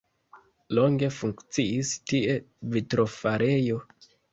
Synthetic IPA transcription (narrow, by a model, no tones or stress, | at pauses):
lo̞ŋɡe̞fuŋkt͡siistie̞ | vitɾo̞faɾʔejo̞